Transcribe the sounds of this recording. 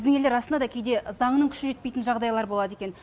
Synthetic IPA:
zd̪ɪŋe̞ld̪e̞ɾɑsənɑd̪ɑkʲʰejd̪ezɑɴnəŋkʲʰʏ̥ʃɪʒet̪pe̞jt̪nʒɑʁd̪ɑjlˠɑɾbo̞lˠɑd̪ekʲe̞n

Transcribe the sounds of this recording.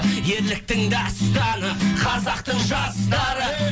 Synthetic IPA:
je̞ɾlɪk̚t̪ɪŋd̪ɑst̪ɑnəqʰɑzɑqt̪əɴʒɑst̪ɑɾə

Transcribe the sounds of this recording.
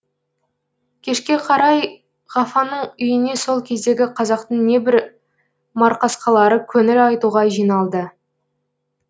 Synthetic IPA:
kʲʰe̞ʃkʲe̞qʰɑɾɑj | ʁɑfɑnəɴʏjɪne̞so̞lˠkʲʰe̞zd̪e̞ɡʲɪqʰɑzɑqt̪əɴne̞bɪɾ | mɑɾqɑsqɑlˠɑɾəkʲʰɵŋɪɾɑjt̪uʁɑʒijnɑlˠd̪ə

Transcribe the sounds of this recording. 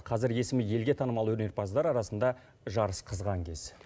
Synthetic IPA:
qʰɑzɪɾje̞sɪmɪje̞lɡʲe̞t̪ʰɑnəmɑlˠwɵɾneɾpʰɑzd̪ɑɾɑɾɑsənd̪ɑ | ʒɑɾəsqʰəzʁɑŋkʲʰe̞z̥

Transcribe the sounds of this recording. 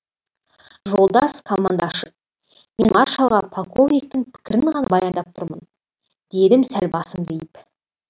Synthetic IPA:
ʒo̞lˠd̪ɑskʰomːand̪ɑʃə̥ | me̞nɑɾʃɑlˠʁɑpʰolˠkʰo̞vnijk̚t̪ɪŋpʰɪ̥kʲɪɾɪŋʁɑnɑbɑjɑnd̪ɑp̚t̪ʰʊɾmən | d̪̥e̞d̪ɪmsælbɑsəmd̪ejɪp

